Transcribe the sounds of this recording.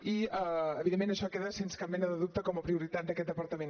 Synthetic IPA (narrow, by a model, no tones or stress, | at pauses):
iaəβiðemːenəʃɔkeðəsenskamɛnəðəðup̚t̪əkɔməpɾiuɾit̪at̪̚d̪əkɛt̪əpəɾt̪əmẽ